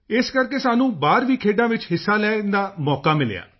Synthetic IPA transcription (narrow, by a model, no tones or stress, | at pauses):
ɪskəɾkeːsaːnũːbaːɾʋiːkʰeːɖãːʋɪt͡ʃɦɪsːaːlɛːnd̪aːmɔːkaːmɪlja̰ː